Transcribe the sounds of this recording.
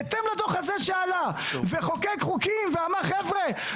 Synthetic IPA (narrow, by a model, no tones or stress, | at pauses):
t̪emlad̪oχazeʃealaveχokeɡχukimveamaχevʁe